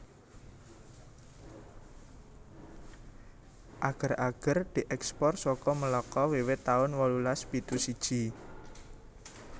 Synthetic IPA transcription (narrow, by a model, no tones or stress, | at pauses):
ʔaɡ̥ə̤raɡ̥ərd̪̥i̤ʔɛkspɔrsɔkɔməlɔkɔwiwɪt̪ːaʊnwɔlulaspit̪usid̥ʒ̥i